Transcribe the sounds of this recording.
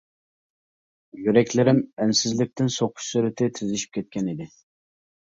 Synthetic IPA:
jyɾɛkʲlɪɾɪmænsɪzlɪk̚ʲt̪ʰɪnsoqʰʊ̥ʃsyɾɪt̪ʰɪt̪ʰyzɪʃi̥p̚kʲʰɛt̪̚kʲɛnid̪ɪ

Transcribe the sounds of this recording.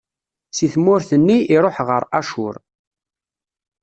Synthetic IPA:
siθmʊɾθənːiʔːɾˤoħʁə̰ɾˤæʃʊ̰ɾ

